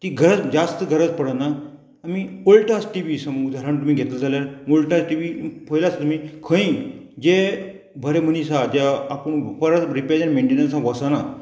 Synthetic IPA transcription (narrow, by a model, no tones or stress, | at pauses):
t̪iɡʱəɾət͡sd͡zast̪əɡʱəɾət͡spəɽənaː | miolʈãsʈiʋiːsəməud̪ʱaɾant̪um̤iːɡʱet̪əld͡zʱaljaɾmolʈasʈiʋipʰəjlasat̪um̤iːkʰə̃ĩːd͡ʑe | bʱəɾem̤ənisad͡ʑaːpəɳpəɾaɾipad͡ʑanmẽɳʈenəɾsãʋəsana